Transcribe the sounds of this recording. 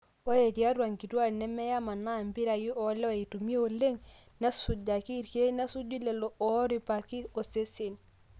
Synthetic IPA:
o˦e˨ti˨a˦twa˨ŋki˨twa˦˨ɾnɛ˦mɛ˦ja˦ma˨na˦˨mbi˦ɾa˨ji˦ʔɔ˨˦lɛ˦ɔ˨i˨tu˨m˦e˦o˨le˦ŋ | nɛ˦su˨d͡ʒa˨ki˦˨ɾke˦e˦na˦su˦d͡ʒu˦lɛ˨lɔ˨ʔɔ˨˦ɾi˨pa˨kɪ˦o˨se˦se˨n

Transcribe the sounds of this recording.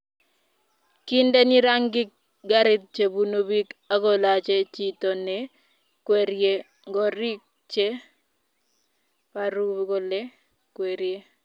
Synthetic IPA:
kɪ˦nde˦ni˦ɾa˦ŋɡɪ˦k̚ | ɡa˦ɾɪ˦t̪̚t͡ʃe˨bu˨˦no˦bi˦ka˦ɡo˨la˨t͡ʃe˦t͡ʃi˦to˨nɛ˨ | kwe˨ɾje˦ | ŋɡɔ˨ɾi˦k̚ | t͡ʃe˦ | pa˨ɾu˦ɡo˦le˦ | kwe˨ɾje˦

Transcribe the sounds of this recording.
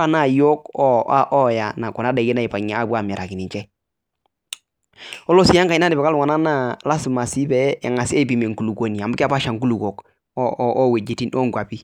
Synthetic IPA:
a˦na˦˨jo˦kɔ˦ʔɔ˦ja˨na˨kɔ˨na˦dɛ˨ɡe˦na˦ɪ˨pa˨ɲa˨a˦˨bwa˦˨mi˨ɾa˨ki˨ni˨ɲt͡ʃɛ˦ | ɔ˦lo˦si˦ja˦ŋka˨i˦na˦dɪ˨bɛ˨ka˦lwa˨na˦na˦la˦si˨ma˨si˦bɛ̰ː˨˦˨ŋa˨se˦bi˨me˨ŋ˨ku˨lu˨ko˨˦ni˨a˨mbka˦pa˦ʃa˨ŋku˦lu˨ko˨k | ʔɔ˦we˨d͡ʒi˨ti˦nʔɔ˦ŋɡwa˨pi˦

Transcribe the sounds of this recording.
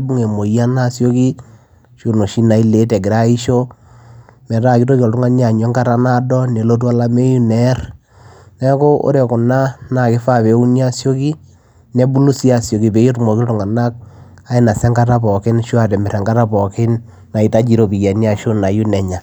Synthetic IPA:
bu˦ŋe˨mo˨ja˦na˦˨sjo˦ki˦ | ʃu˨no˨ʃi˦na˨i˦le˨˦tɛ˨ɡɪ˨ɾa˦i˦ʃo˦ | mɛ˨ta˦˨ki˦to˦kɔ˨ltʊ˦ŋa˦nja˨ɲɛ˦ŋka˦ta˦na˦dɔ˦nɛ˨lo˦t̬wa˦la˦me˦ju˦nɛ˦r | nɛ˦ko˦o̰˦ɾe˨kʊ˨na˦na˨kɪ˦fa˦˨pe˨˦u˦nja˦sjo˦ki˦ | nɛ˦bu˦lu˦si˦a˦˨sjo˨ki˨pe˨˦i˦tmɔ˨ki˦ltʊ˨ŋa˨na˦k̚ | a˦ɪ˦na˨sɛ˦ŋɡa˦ta˦pɔ˨kɪ˦nʃwa˨tɛ˨mɛ˨ɾɛ˨ŋɡa˦ta˦pɔ˨kɪ˦n | na˨i˨ta˦d͡ʒi˨ɾo˦pi˨kɛ˨ni˦a˨ʃo˦na˨ju˦nɛ˨ɲa˨

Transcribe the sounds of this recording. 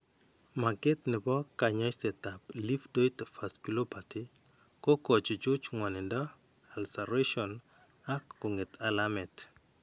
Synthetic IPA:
ma˨ɡɪ˦tnɪ˨bɔ˦ka˨ɲa˦jsɛ˨ta˨pli˦fdo˦jtfa˨skilo˦pʰati | kɔ˦kɔ˨t͡ʃd͡ʒo˦d͡ʒŋwa˨nɪ˨ndɔ˦ | alsa˨ɾeʃɔ˨n | a˦kːʊ˨ŋɪ˨tʰalamɛ˨t

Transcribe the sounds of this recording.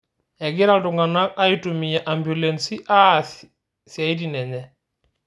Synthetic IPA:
ɛ˨ɡɪ˦ɾa˨ldu˨ŋɡa˨na˦ka˦ji˦tumi˨ja˨ʔa˨mbju˨lensi˦ʔa˦ | si˨a˨i˦di˨nɛ˨nɛ˨

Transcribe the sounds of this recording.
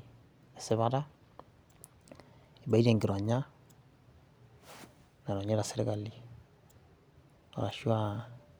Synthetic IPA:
e˨sɪ˦βa˦ta˦ | i˨ba˨˦d͡ʒe˨ŋɡi˨ɾɔ˨ɲa˦ | na˨ɾɔ˨ɲa˦da˨se˦ɾe˦ka˨lːi˨ | a̰˨ɾa˨ʃu˦a˦

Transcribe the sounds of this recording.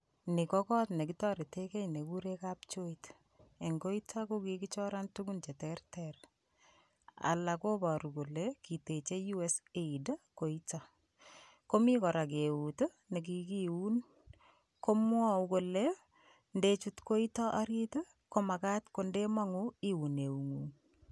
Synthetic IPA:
ni˨kɔkɔ˦tne˨kitɔɾe˨teke˦ne˨kuɾekapt͡ʃo˦it | e˨ŋɡo˦itʰako˦kiki˦t͡ʃɔ˦ɾa˦ntukunt͡ʃe˨tɛrtɛr | a̰la˨ko˦ba˨ɾu˨ko˨leki˨te˨t͡ʃe˦ju˦eseida˦ko˨ita | ko˦mi˦kɔ˨ɾa˨k̬eu˨to˦ | ne˨k̬ikiu˦n | ko˦mwɔ˦uko˨le | ndet͡ʃutko˦itɔ˦ʔa˦ɾito | ko˦ma˨ka˦tko˦nde˦ma˦ŋu˦i˦wu˨ne˨u˨ŋun

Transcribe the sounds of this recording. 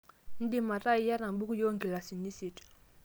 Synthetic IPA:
n̩˦di˦˨ma˨ta˦ja˦ɾa˨m˨bu˦ku˦jo˦ŋɡi˨la˨si˨ni˦si˨t

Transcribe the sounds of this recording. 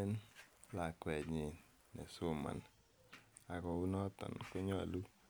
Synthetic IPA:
e˦n | la˨kwɛ˨ɲe˨ | nɛ̰˨so˦˨ma̰˨n | a˨kɔ˨u˦nɔ˦tɔ̰˨nko˦ɲɔ̰˦˨lu˦

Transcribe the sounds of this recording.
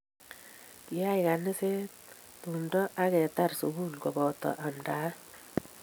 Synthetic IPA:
kɪ˨a˦jka˨nɪ˦se˦ | tu˨ndɔ˦ʔa˦kɛ˨ta˦rsu˨ɡu˦lkɔ˨bɔ˨tɔ̰˨ʔa˨mda˦

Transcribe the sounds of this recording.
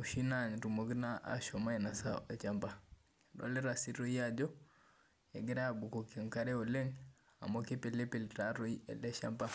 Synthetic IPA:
o˨ʃi˦na˨ɲ˨ɾu˨mo˨˦ɡi˦na˦ʔa̰˨ʃɔ˨ma˦ɛ˨na˨sa̰˦e˨t͡ʃa˦mba˨ | nɔ̰˨˦lɛ˦ɾa˨si˦ɾo˦i˦a˦d͡ʒɔ˦ | ɛ˨ɡɛ˦ɾa˦˨bu˨ko˨ki˨ŋka˦ɾɛ˦o˨le˦ŋ | a̰˨mo˦ke˦pe˨le˦pe˨lta˨˦ɾo˦iɛ̰˨lɛ˦ʃa̰˦mba˦

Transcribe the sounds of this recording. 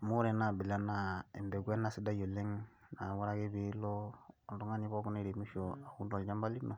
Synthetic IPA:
mu˦ɾɛ˨na˨bi˨la˦na˦ḛ˨mbɛ˨ɡɛ˦na˦˨si˦da˦jo˨le˦ŋ | na˨˦wu˦ɾa˦ke˦bi˨˦lɔ˦˨du˦ŋa˦ɲi˦bɔ˦ku˦ne˦˨ɾe˨mi˦ʃo˨a˨ku˦ndɔ˨d͡ʒa˦mba˦li˦no˨

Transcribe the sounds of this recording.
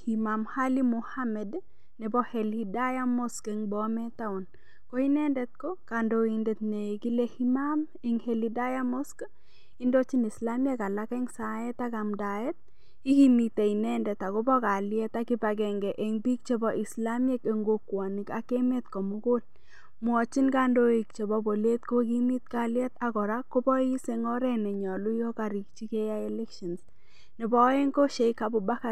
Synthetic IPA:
himamhali˦mohamɛd | nɛ˨bɔ˦hɛ˨lida˦ja˦mɔ˦skeŋbɔmɛ˦t̪a˦ɔ˨n | kɔ˦i˦nɛ˦ndɛt̪̚kɔ˦kando˨i˨ndɛt̪ne˨ɡi˦le˦himam | e˨ŋheli˦da˦jamɔ˦sk | i˦ndo˦t͡ʃi˦ni˨slamje˦ka˨la˦kɛŋsa˨jɛ˦t̪a˦ɡa˨mda˨ɛ˦t̪̚ | i˦ki˦mi˨te˨i˨nɛ˦ndɛ˨ta˨kʊ˦bɔ˦ka˨ljɛ˦ta˦kɪ˦pa˨kɛ˨ŋɡɛ˨ʔe˦ŋbi˦k̚t͡ʃe˦bɔ˨ʔi˨sla˦me˦ke˨ŋɡo˨kwa˨nɪ˨ka˨ke˦me˦tkɔ˨mu˦ko˦l | mʊ˦ɔ˨t͡ʃi˦nka˦ndo˦i˨kt͡ʃe˨bɔ˦bo˨le˦t̪ko˦ki˦mi˦t̚ka˦ljɛ˦ta˨kɔ˨ɾa˦ko˦bɔ˦i˦se˨ŋɔ˦ɾɛ˦nɛ˨ɲɔ˨lu˦jo˦ka˨ɾi˨k̚t͡ʃi˦ke˦ja˦ɛ˦lɛ˦kʃɔ˨ns | nɪ˨bɔ˦e˦ŋko˦ʃe˨˦ka˨bʊ˨ba˦ka˨

